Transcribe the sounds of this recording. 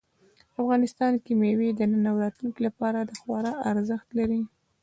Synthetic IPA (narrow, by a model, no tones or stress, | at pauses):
afɣɑnɪst̪ɑnkimewid̪ənənawɾɑt̪lunkilapɑɾad̪əxwɑɾɑʔaɾzəxt̪laɾi